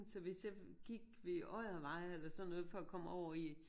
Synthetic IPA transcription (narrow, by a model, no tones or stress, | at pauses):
n̩sɒ̽ʋe̝sjɑ̈ɡ̥iɡ̥ʋe̝ʔɒɪ̰ɐʋɑ̈ɪ̰elɐsɒnːɔ̽ːðˠfɒ̽ɒkʰɒ̽m̰ɒʊ̰ɐi